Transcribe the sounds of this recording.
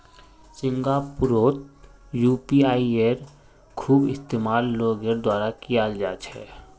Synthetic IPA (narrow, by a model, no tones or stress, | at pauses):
sɪ̃ŋɡapʊɾoːt̪̚ | juːpiaːieɾ | kʰuːbɪst̪eːmaːlːoːɡəɾd̪waːɾakijaːld͡ʒa̰ːt͡ʃʰhɛ̰ː